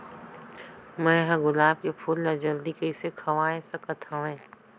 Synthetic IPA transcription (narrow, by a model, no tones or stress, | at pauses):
mɛ̃ːɦɐ̃ɡʊlaːb̚kepʰʊlːad͡ʒɐld̪ikɐɪsekʰɐʋaːẽsɐkət̪ʰãẽː